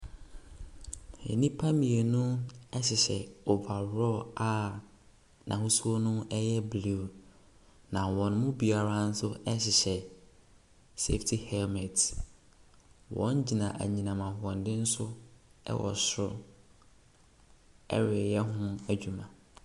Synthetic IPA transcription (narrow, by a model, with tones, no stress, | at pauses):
ḛ˨nĩ˦pʰa˦mĩ˨e˨nʊ̃˦ɛ˦ɕɪ˨ɕɛ˨o˨ba˨ɾɔ˦a˦ | nʔã̰˨hʊ˦su˦o˦nʊ̃˦ɛ˦jɛ˦blu˨ | nã˨wɔ̃˨nmʊ̃˦bi˨a˨ɾa˦n̩˦sʊ˦ɛ˦ɕɪ˨ɕɛ˨ | se˦ftʰi˨hɛ˦lmɛ˨t | wɔ̰̃˦nd͡ʑi˨nã˨ʔæ̰˨ɲĩ˨nã˨mã˨hʊ˨ɔ̃˨ndɪ̃˦n̩˦sʊ˦ɛ̰˦wʔɔ̰˨sɾʊ̰˦ | ɛ̰˦ɾɪ˨jɛ˦ɦʊ̃˦æ˨d͡ʑᶣu˨mã˨